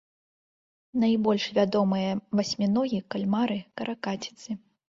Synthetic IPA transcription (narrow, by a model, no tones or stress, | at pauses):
nɐjbɔlʲʂvʲad̪ɔmɨjɐvasʲmʲinɔɣʲikalʲmaɾɨkɐɾʔakat͡sʲi̥t̪sɨ